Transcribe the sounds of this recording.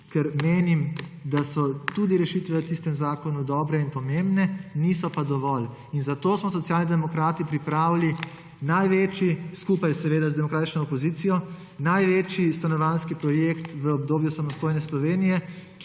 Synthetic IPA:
kɛɾmeːnim | d̪asɔt̪ud̪iɾɛʃit̪ʋɛət̪ist̪ɛmzaːkɔnud̪ɔːbɾɛinpɔmembnɛnisɔpad̪ɔʋɔl | inzat̪osmɔsɔt̪sjaːlnid̪ɛmɔkɾaːt̪ipɾipɾaːwli | najʋeːt͡ʃiskupajsɛʋeːd̪azd̪ɛmɔkɾaːt̪it͡ʃnɔɔpɔziːt̪sijɔ | najʋeːt͡ʃist̪anɔʋanskipɾɔjekt̪ʋəɔbd̪oːbjusamɔst̪oːjnɛslɔʋeːnijɛk

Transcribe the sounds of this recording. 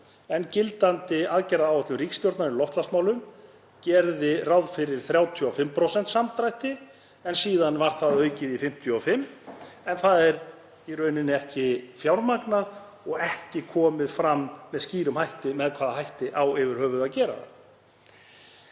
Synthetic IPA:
ɛncɪlt̪ant̪ɪaðcɛjɾaðawɛht̪lʏmrikst̪jɔwɾt̪naɾɪlɔft̪last̪maːwlʏm | cɛɾðɪrawðfɪɾɪɾ̥θɾjaːwt̪ʰjɔafɪmːpʰɾosɛnt̪samt̪ɾajht̪ɪ | ɛnsiːðanvaɾ̥θaðœːɥcɪðifɪm̥t̪ʰjɔafɪmːɛnθaðɛɾ | ɛɾœːɥnɪnɪɛhcɪfjawɾmaknað | ɔɣɛhcɪkʰɔːmɪðfɾamːɛðsciːɾʏmhajht̪ɪmɛðkʰv̥aːðaɦajht̪ɪʔawɪvɪɾ̥hœːvʏðaðcɛːɾa̰ða̰

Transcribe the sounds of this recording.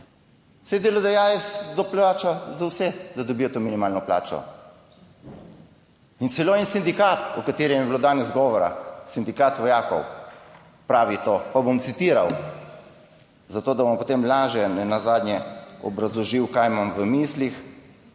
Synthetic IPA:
sɛd̪eːlɔd̪ajajɛsd̪ɔplaːt͡ʃazawsɛd̪ad̪ɔbiːjɔt̪oːminimaːlnɔpla̰ːt͡ʃɔ̰ | intsɛloːɛnsind̪ikaːt̪ukat̪eːɾɛmjɛbiloːd̪aːnɛzɡɔːʋɔɾa̰sind̪ikaːt̪ʋɔjaːkɔ̰w | pɾaːʋit̪oːpabomt̪sit̪iːɾa̰w | zat̪oːd̪abompot̪emlaːʒjɛnɛnazaːd̪nʲjɛɔ̰bɾazlɔʒiwkajmamʋəmislix

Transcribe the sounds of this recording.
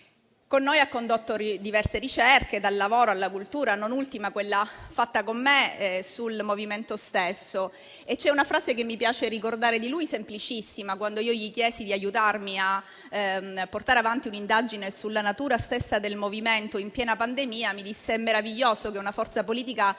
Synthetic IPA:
konːoːjakːond̪ot̪ːoɾid̪ivɛrseɾit͡ʃɛrked̪alːavoːɾoalːakult̪uːɾanonult̪imakwelːafat̪ːakomːesulmoviment̪ost̪esːo | et͡ʃːɛunafɾaːzekemːipjaːt͡ʃeɾikord̪aːɾed̪ilujsemplit͡ʃisːimakwand̪oiːoʎikjɛːsid̪iajːut̪armia | pːort̪aːɾeavant̪iunind̪ad͡ʒinesulːanat̪uːɾast̪esːad̪elmoviment̪oimpjɛːnapand̪emiːamid̪isːeɛmːeɾaviʎːoːsokeunafɔrt̪sapoliːt̪ika

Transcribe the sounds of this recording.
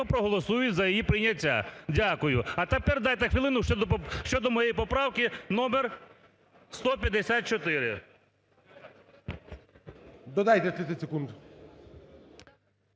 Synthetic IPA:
ɔpɾɔɦɔlˠɔsujʊtʲzɐjɔjipɾɪjnʲɐtʲːa̰dʲakʊjʊɐt̪ɛpɛrd̪ɑjt̪ɛxʋilˠɪnʊʃd̪ɔʃt͡ʃɔd̪ɔmɔjejpɔpɾɑwkɪn̪ɔmɛr | st̪ɔpʲjɐd̪esʲat̪̚t͡ʃɔt̪ɪɾɪ | d̪ɔd̪ajt̪ɛt̪ɾɪɛsʲekund̪

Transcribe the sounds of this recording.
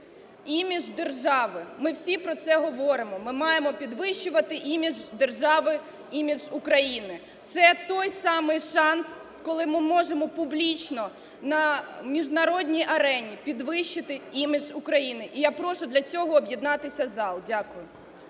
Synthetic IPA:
imʲiʒd̪erʒɑʋɪmɪwsʲipɾɔt̪sɛɦɔʋɔɾɪmɔmɪmɑjemɔpʲid̪ʋɪʃːʊʋɐt̪ɪʔimʲid͡ʒd̪erʒɑʋɪ | imʲid͡ʒʊkɾɐjinɪ | t̪sɛt̪ɔjsɑmɪjʃɑns | kɔlˠɪmɪmɔʒemɔpʊblʲit͡ʃnɔ | nɐmʲiʒnɐɾɔdʲnʲijʔɐɾɛnʲipʲid̪ʋɪʃt͡ʃːɪt̪ɪimʲɪʒʊkɾɐjinɪʔijapɾɔʃʊd̪lʲɐt͡sʲɔɦɔːbʲjid̪nɑt̪ɪsʲɐzɑlˠdʲakʊjʊ

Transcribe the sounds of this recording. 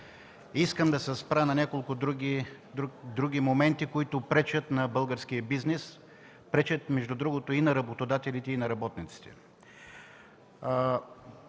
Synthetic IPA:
iskəmd̪ɐsɛspɾanɐnʲakolˠkʊd̪ɾuɡi | d̪ɾuɡ̟ʲimomɛnt̪ikoit̪ʊpɾɛt͡ʃət̪nɐbɤlˠɡəɾsk̟ijəbiznɛs | pɾɛt͡ʃət̪mɛʒd̪ʊd̪ɾuɡot̪oinɐɾɐbot̪od̪at̪ɛlit̪ɛinɐɾɐbɔt̪nit̪si̥t̪ɛ̥

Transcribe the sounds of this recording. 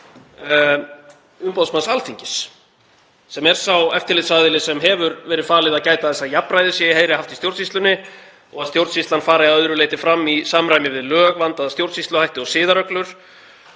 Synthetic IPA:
ʏmpoðsmansalθiɲcɪs | ɛmɛɾ̥sawɛft̪ɪlɪːt̪saðɪlɪsɛmɦɛvʏɾvɛːɾɪfaːlɪðaðcaːjt̪aθɛsːajapnɾajðɪsjɛjɦeːjɾɪhɦaft̪ist̪jowɾt̪sist̪lʏnːɪ | ɔ̰ɣaðst̪jowɾt̪sist̪lanfaːɾaaœðɾʏleːjt̪ɪfɾamːisaːmɾajmɪvɪðlœːɣvant̪aðst̪jowɾt̪sist̪lʏhajht̪ɪɔsɪːðaɾœklʏɾ̥

